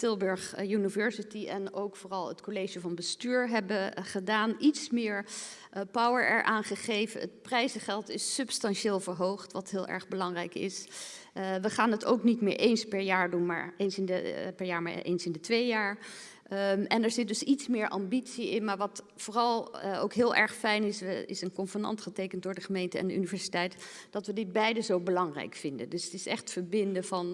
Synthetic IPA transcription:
tɪlˠbøɹχjynivɛɹsitiɛnowkfoːrɑlˠətkolejʒəvɑnbəstyːɹɦɛbəχədaːnitsmɪːɹ | pɔwəɹʔɛ̰ɹʔaːnχəχejvə̰nə̰t̚prɛjzəχɛlˠtɪsɵpstɑnʃeːlˠvəɹɦowχtʋɑtɦɪːlˠʔɛ̰ɹχbəlɑŋrɛjkɪ̰s | ʋəχaːnəto̰wknitmɪ̰ːɹʔejnspɛɹjaːɹdunma̰ːɹejnsɪnəpɛɹjaːɹma̰ʔḛjnsɪndətʋejjaːɹ | ɛnɛɹzɪt̚dɵsitsmɪːɹʔɑ̰mbitsiɪnmaːɹʋɑt | fʊːrɑlˠo̰wkɦɪːlˠʔɛ̰ɹχfɛjnɪsɪ̰sənkɔnfənɑ̰ntχətejkənt̚dʊːɹdəχəmejntəɛ̰ndəʔynivɛɹsitɛjtd̥ɑtʋədɪd̚bɛjdəzowbəlɑŋrɛ̰jkfɪndə̰ndɵsətɪsɛ̰χtfəɹbɪndəvɑn

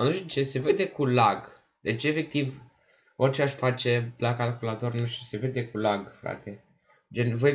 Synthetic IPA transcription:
anuʃt̪it͡ʃese̞ve̞d̪e̞kulaɡ | d̪e̞t͡ʃʲe̞fe̞k̚t̪iv | o̞rʲt͡ʃe̞aʃfat͡ʃe̞lakalkulat̪o̞rnuʃise̞ve̞d̪e̞kulaɡfɾa̰t̪e̞ | d͡ʒenvoj

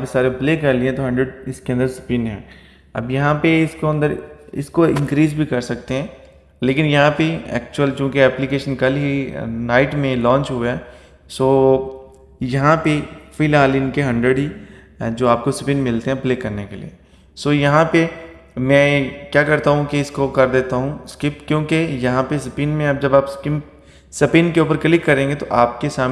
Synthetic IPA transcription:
jɐ̃pesaːɾepleːkɐɾliɛ̃t̪oɦɐ̃ɳɖɾəɖɪskeɐ̃nd̪əɾspɪ̃nɦɛ̰̃ː | ɐ̰bjɐɦãpeɪskoɐ̃nd̪əɾɪ̰skoɪ̰̃nkɾiːzbʱikɐɾsɐkt̪eɦɛ̃ː | leːkɪnjɐɦãpeɛ̰ːk̚t͡ʃuəlt͡ʃõːkiɛːplikeːʃənkɐlɦinaːɪʈmẽlɔ̃ːɲt͡ʃɦuaɛː | soː | jɐɦãpefɪlaːlɪnkeɦɐ̃ɳɖɾəɖɦi | d͡ʒoːaːp̚kosɐpɪnmɪlt̪eɦɛ̃pleːkɐɾnekelḭe | soːjɐɦãpemɛ̃ːkjaːkɐɾt̪aɦũkiɪskokɐɾd̪eːt̪aɦũskɪpkjõːkejɐɦãpes̬ɐpɪnmẽɐp̚d͡ʒɐbaːpskɪm | sɐpɪnkeuːp̬əɾkɐlikkːɐɾẽːŋɡet̪oʔaːp̚kesaːm

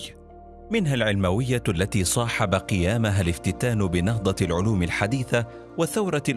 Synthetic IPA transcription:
mɪnɦalʕɪlmawɪjːaalːat̪iːsˤɑːħɑbaqɨjaːmaɦalɪft̪ɪt̪aːnʊbɪnɑhd̪ˤɑlʕʊluːmɪlħad̪iːθa | waθːawɾˤɑ

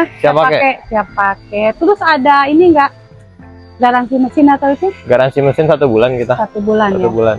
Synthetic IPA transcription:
asiapaakɛkesiap̚akɛt̪əɾʊsadainiŋɡaʔ | ɡaɾansiməsɪnat̪awit̪uɡaɾansiməsɪnsat̪ubulankit̪asat̪ubulansaubulan

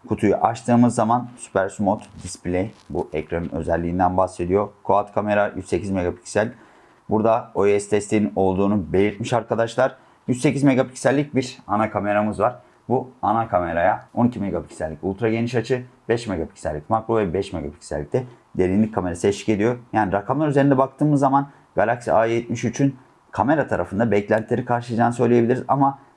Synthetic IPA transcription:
kʰut̪ʰujṵʔaʃt̪ʰɯːmɯzːamansy̥pʰæɾsymot̪d̪isplʲejbuʔɛcɾanɯnø̞̰zɛlʲːiːnd̪ænbaxse̞d̪ijo̞kʰo̞at̪kʰame̞ɾajy̰ze̞cʰizme̞ɡapʰi̥csælʲ | buɾd̪aojɛst̪ʰɛst̪ʰiino̞lˠd̪uːnube̞lʲiɾt̪miʃaɾkʰad̪aʃlˠaɾ | jyse̞cizme̞ɡapʰi̥csælʲːic̚biɾanakʰame̞ɾamɯzvaɾ̥ | buanakʰame̞ɾajao̞nicʰimeɡapʰi̥csælʲːiculˠt̪ɾaɟe̞niʃat͡ʃʰɯbɛʃmeɡapʰi̥csæ̰lʲːicmakɾovɛbɛʃmeɡa̰pʰi̥csæ̰lʲːic̚t̪ɛ | d̪e̞ɾʲinʲic̚kʰːame̞ɾasɯɛt͡ʃi̥ce̞d̪ijo̞jaːniɾakʰamlˠaɾyzeɾind̪ɛbak̚t̪ʰɯːmɯzːaman | ɡ̥alʲaksiaːjɛt̪̚miʃyt͡ʃʰyn | kʰame̞ɾat̪ʰaɾafɯnd̪abɛclʲænt̪ʰlʲe̞ɾikʰaɾʃɯad͡ʒaːnɯsø̞jlʲejebilʲiɾizama

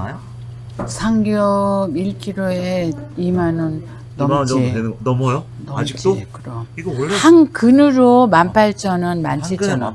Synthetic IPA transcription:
sʰaŋɡjʌbiɭk͈ʰiɾoeimanɯnː | ʌd͡ʑienʌmʌjo | nʌmit͡ɕt͈okɯɾʌiɡohaŋkɯnɯɾomampʰaɭt͡ɕ͈ʰʌnɯnma̰nt͡ɕʰiʌnɯ

